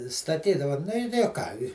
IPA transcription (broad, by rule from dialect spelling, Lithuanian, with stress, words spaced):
stɐˈtʲiːdɐʋɐ ˈnʊ ɪ oː ˈkɑː ɪ